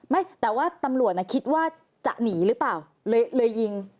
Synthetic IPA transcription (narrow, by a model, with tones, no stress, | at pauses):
ma˥˩jt̪ɛː˨˩waː˥˩t̪a˧mɾu˨˩ət̪ʔa˧˩kʰi˦˥t̪̚waː˥˩ | t͡ɕa̰˨˩ʔniː˩˦ɾɯː˦˥plaː˨˩w | lɤː˧jlɤː˧jːi˧ŋ